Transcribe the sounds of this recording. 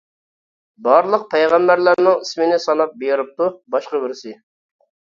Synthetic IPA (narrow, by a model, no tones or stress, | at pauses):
bɑɾlˠəq̚pʰɛjʁæmbæɾlæɾnɪŋismɪnɪsɑnɑp̚beɾɪp̚t̪ubɑʃqɑbɪɾsɪ